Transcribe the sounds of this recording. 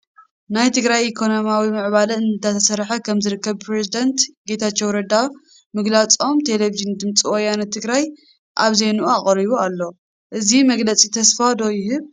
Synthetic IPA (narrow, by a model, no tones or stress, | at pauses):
najt̪ʰɨɡɾajʔikʰo̞nomawimɨʕβalɐɨnt̪at̪ʰɐsɐɾħɐkʰɐmzɨɾɨkːɐβpɾezid̪ɐnt̪ɡe̞t̪ʰat͡ʃːewɾɐd̪a | mɨɡlat͡sʼo̞mt̪ʰe̞leviʒɨnd̪ɨmt͡sʼiwɔjanɐt̪ʰːɨɡɾaj | ʔaβzenuʔuaχʼɾiβualːo̞ | ʔɨzimɐɡlɐt͡sʼit̪ʰɐsfad̪o̞jɪɦɨβ